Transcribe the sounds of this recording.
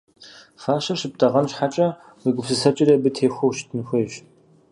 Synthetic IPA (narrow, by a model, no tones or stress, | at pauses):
faːʃɐʃɪp̚tʰɐʁɐnɕħat͡ʃʼɐ | wiːɡʷʊpsɨsɐt͡ʃʼɪrɐbɨtʰeːxʷowʃtʰɨnxʷeːɕ